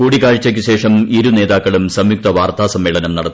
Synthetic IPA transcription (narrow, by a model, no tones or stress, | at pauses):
kuːɽikaːɻt͡ɕːɐk̬ʲːɨɕe̞ːʂɐmiɾune̞ːðaːkːɐɭumsɐmjuk̚t̪ɐʋaːrt̪aːsɐmːeːɭɐnɐmnɐɽɐt̪ː